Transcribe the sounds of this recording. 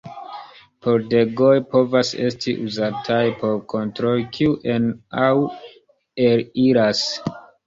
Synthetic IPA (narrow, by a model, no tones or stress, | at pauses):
po̞ɾde̞ɡo̞jpo̞vase̞̰stʰḭʔuzatʰajpo̞ɾkʰo̞ntɾo̞lkʰiuʔenaw | eɾiɾas